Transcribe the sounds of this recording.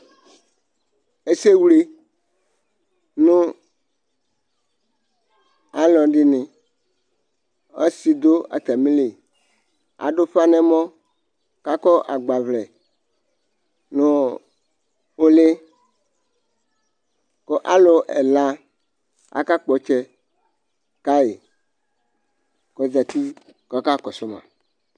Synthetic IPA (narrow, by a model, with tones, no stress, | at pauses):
e˦se˦wli˦ | nũ˦ | a˨lɔ˨ɖi˦nɪ̃˨ | a̰˦si˨d̪o˦a̰˨t̪a˨mĩ˦le˨ | a̰˨ɖo˦ɸa˦nɛ̃˦mɔ̃˦ | ka˦kɔ˦ʔa˨ɡ͡ba˨vlɛ˨ | nõ˨ | wo˦le˦ | ko˦ʔa˦lo˨ʔɛ̰˨la˦ | a̰˨ka˦k͡pɔ˨t͡ʃɛ˦ | ka˦je˨ | kɔ˨za˨t̪i˦ | kɔ˦ka˦kɔ˨so˦mã̰˨